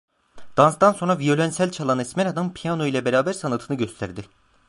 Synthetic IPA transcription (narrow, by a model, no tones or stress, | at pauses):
d̪̥ansd̪anso̞nɾavijo̞lʲænsælʲt͡ʃʰalˠanɛsmɛɾad̪anpʰijano̞jlʲˠɛbeɾaːbæɾsanat̪ʰɯnɯɟøst̪ʰæɾd̪ɪ